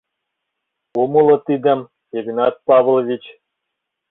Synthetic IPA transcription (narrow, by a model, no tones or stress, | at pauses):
umulˠɤ̆t̪id̪ɘ̆m | eɡnɑt̪̚pɑv̆lˠvʲit͡ɕ